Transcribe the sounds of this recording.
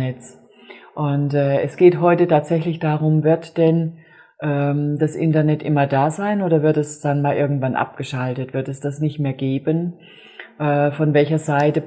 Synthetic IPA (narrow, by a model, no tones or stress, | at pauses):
nɛt͡s | ʔʊntɛːɛsɡ̥eːtɦɔʏtətʰaːtz̥ɛçlɪçd̥aːʁʊmvɪɐtd̥ɛn | ʔɛːd̥asʔɪ̰ntɐnɛtʔɪmɐdaːzaɪnʔoːɾɐvɪɐtɛsd̥anmaːlʔɪ̰ɐɡŋ̩tv̥anʔa̰p̚ɡ̥əʃaltətv̥ɪɐtɛsd̥asnɪçtmeːɐɡeːbən | ʔɛːfɔnvɛlçɐzaɪtə